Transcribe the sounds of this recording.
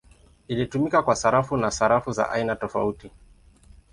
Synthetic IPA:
ilitumikakwasaɾafunasaɾafuza̰ʔa̰inatɔfauti

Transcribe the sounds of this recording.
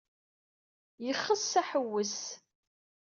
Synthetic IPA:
jəχːəsːæħəwːəs

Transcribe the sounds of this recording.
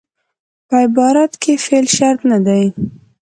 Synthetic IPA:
pəɪbɑɾat̪kʰefelʃaɾt̪nad̪aj

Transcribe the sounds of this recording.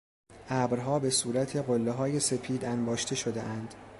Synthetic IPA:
ʔæːbɾɦɒːbe̞suːɾæt̪ʰe̞ɢolːeɦɒːje̞se̞fʰiːd̪ænbɒːʃt̪ʰe̞ʃo̞d̪e̞̰ʔænd̪̥

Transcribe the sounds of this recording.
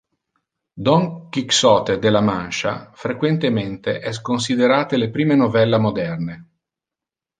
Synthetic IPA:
d̪ɔŋkiksɔːt̪ed̪elːamanʃa̰fɾekwent̪ement̪eʔɛs̬kons̬id̪eɾaːt̪elepɾiːmenovɛlːamod̪ɛrne

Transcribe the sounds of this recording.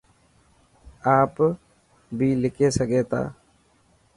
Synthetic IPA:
aːp | bʱiːlɪkeːsəɡeːt̪a̰ː

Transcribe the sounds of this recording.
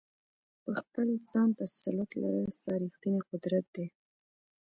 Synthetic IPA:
pəxpəld͡zɑnt̪asalʊt̪la̰ɾəsɑɾixt̪ineqʊd̪ɾat̪̚d̪e

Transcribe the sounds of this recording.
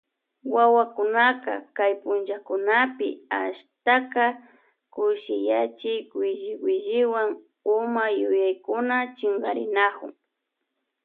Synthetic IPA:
wawakʊnakɑ̰kajpʊnt͡ʃakʊnapɪ̰a̰ʃt̪akɑ | kʊʃɪjat͡ʃɪkwɪʒɪwɪʒɪwaŋ | ʊmajʊjajkʊnat͡ʃeŋɢɑɾɪnakʊ̰ŋ

